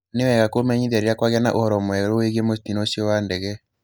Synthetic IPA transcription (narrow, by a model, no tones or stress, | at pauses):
newɛɣakomɛɲiðaɾeɾjakwaɣeana̰ʔohɔɾɔmwɛɾoeɣemostinoʃiɔwandɛɣɛ